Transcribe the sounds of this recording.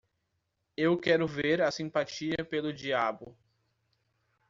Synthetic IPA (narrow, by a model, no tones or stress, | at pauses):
ewkɛɾʊveɾɐsĩpat͡ʃiɐpelʊd͡ʒiabʊ